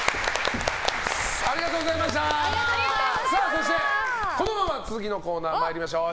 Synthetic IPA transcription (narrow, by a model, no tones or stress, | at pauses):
aɾʲiɡat̪oːɡozaimaɕ̬t̪a | saːso̞ɕit̪e̞ko̞no̞mãmat͡sɨzɨɡʲino̞ko̞ːnaːmaiɾʲimaɕo̞ː